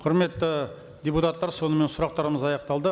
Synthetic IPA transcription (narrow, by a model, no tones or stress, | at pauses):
qʰʊɾme̞t̪ːɪ | d̪ʲeput̪ɑt̪ːɑɾso̞nəme̞nsʊɾɑq̚t̪ɑɾəməzɑjɑqt̪ɑlˠd̪ə